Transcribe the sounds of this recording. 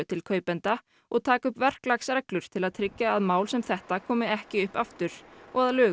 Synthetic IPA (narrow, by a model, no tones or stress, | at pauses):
ʏt̪ʰɪlkʰœːɥpɛnt̪a | ɔɣt̪ʰaːkʏhpvɛr̥klaksɛklʏɾ̥t̪ʰɪlaðt̪ʰɾɪcːaːðmaːwlsɛmθɛht̪akʰɔːmɪɛhcɪʏhpaft̪ʏɾ̥ɔɣaðlʏː